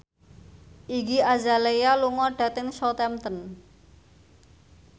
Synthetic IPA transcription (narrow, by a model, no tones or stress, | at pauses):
ʔiɡiazalejaluŋɔɖ̥ä̤t̪ɪŋsɔt̪ɛmt̪ən